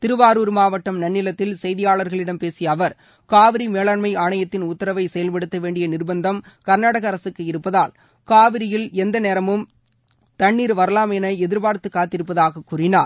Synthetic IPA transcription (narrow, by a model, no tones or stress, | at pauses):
t̪ɪɾɯʋaːɾuːɾmaːʋɐʈːɐmnɐnːɪlɐt̪ːɪlsɛjðɪjaːɭɐɾɣɐɭɪɽɐmpeːsɪjɐɐʋɐɾ | kaːʋɪɾimeːɭaːɳmɐɪaːɳɐjɐt̪ːɪnʊt̪ːɐɾɐʋɐɪsɛjɐlpɐɽɯt̪ːɐʋeːɳɖɪjɐnɪrbɐnd̪ɐm | kɐɾnaːɽɐɣɐːɾɐsɯkːɯɪɾɯpːɐðaːl | kaːʋɪɾɪjɪlɛnd̪ɐneːɾɐmɯm | t̪ɐɳːiːɾʋɐɾɐlaːmɛnɐɛðɪɾbaːɾt̪ːɯkːaːt̪ːɪɾɯp̬ːɐðaːɣɐkːuːrɪnaːɾ